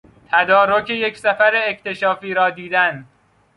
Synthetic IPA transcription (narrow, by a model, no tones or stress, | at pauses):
t̪ʰæd̪ɒːɾocʰeje̞csæfæɾeːct̪e̞ʃɒːfiːɾɒːd̪iːd̪æn